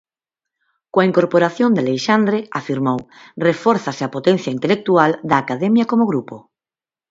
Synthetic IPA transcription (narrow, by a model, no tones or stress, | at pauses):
koaiŋkoɾpoɾaθjond̪elejʃand̪ɾeafiɾmowrefɔɾθasɪapot̪ẽn̟θjaint̪elek̚t̪uald̪aːkaðemjakomoɣɾupo